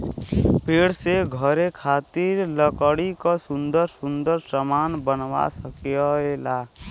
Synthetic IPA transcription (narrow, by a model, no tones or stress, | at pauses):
peɽseɡʱəɾekʰat̪iɾləkəɽikasũnd̪əɾsund̪əɾsəmanbənwa̰səkeɔela